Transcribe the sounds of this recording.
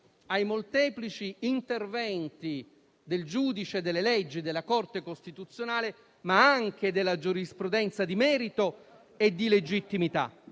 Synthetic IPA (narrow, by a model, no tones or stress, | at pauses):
ajmolt̪ɛːplit͡ʃiːnt̪ervɛnt̪i | d̪eld͡ʒuːd̪it͡ʃed̪elːelɛd͡ʒːid̪elːakort̪ekost̪it̪ut̪sːjonaːle | maaŋk̟ed̪elːad͡ʒuɾispɾud̪ɛnt̪sad̪imɛːɾit̪o | ed̪ːiled͡ʒit̪ːimit̪a̰